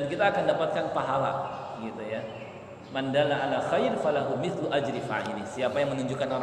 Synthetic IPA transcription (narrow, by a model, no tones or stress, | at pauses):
ankit̪aːkandapat̪̚kanpaɦala̰ɡit̪uja | mandalaʔalaxajɾfalaɦumɪθluʔad͡ʒɾifa̰ɦilɪhsiapajaŋmənuɲd͡ʒukanoɾ